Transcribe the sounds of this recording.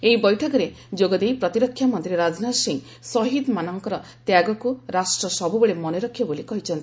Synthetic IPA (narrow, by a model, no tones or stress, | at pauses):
eibɔjʈʰɔkɔɾe | d͡ʒoɡɔd̪ejpɾɔt̪iɾɔkʰːjamɔnt̪ɾeɾad͡ʒnasiŋ | sɔɦid̪manɔŋkɔɾɔ | t̪jaɡɔkuɾasʈɾɔsɔbubeɭemɔneɾɔkʰːjɔbolikɔɦit͡ʃʰɔnt̪ii